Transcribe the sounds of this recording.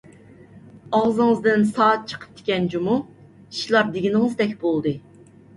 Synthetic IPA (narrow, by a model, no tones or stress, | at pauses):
ɑʁzɨŋəzd̪ɨnsɑːt̪̚t͡ʃʰə̥qʰə̥p̚t̪ʰɪ̥kʲɛnd͡ʒumu | i̥ʃlˠɑɾd̪ɪɡʲinɪŋɨzd̪ɛkʲbolˠd̪ɨ